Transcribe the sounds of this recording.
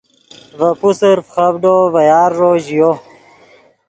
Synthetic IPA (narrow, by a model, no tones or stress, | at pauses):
vɐpusəɾfχɐbɖovɐjaːɾːoːʑijo